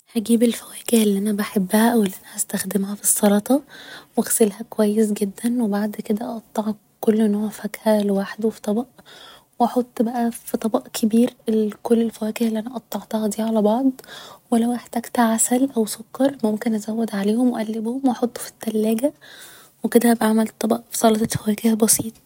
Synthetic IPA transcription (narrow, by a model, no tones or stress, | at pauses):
hæɡiːbelfæwæːkehelːiːʔænæbaħebːhæʔæwelːiʔænæhæst̪æxd̪emhæfisˤːɑlɑt̪ˤɑwæɣselhækowæjːes̬ɡed̪ːænwebaʕd̪ked̪æʔɑt̪ˤːɑʕɑ | kːolːʔenːoːʕʕfækhælwaːħd̪wfi̥t̪ˤɑbɑʔ | wʔɑħot̪ˤːbæʔæfit̪ˤɑbɑʔkʰebiːɾekolːelfæwæːkehlːiʔænæʔɑt̪ˤːɑʕt̪ɑhɑd̪iːʕalæbɑʕd̪ˤwelæwʔeħt̪æɡt̪æʕasælʔæwsokːɑɾˤmomkenʔæzæwːed̪ʕaleːhomweʔælːebhomwʔɑħot̪ˤːo̥fi̥t̪ːælːæːɡæ | weked̪æbʕamælt̪ˤːɑbɑʔfi̥sˤɑlɑt̪ˤɑfæwæːkehbɑsiːt̪ˤ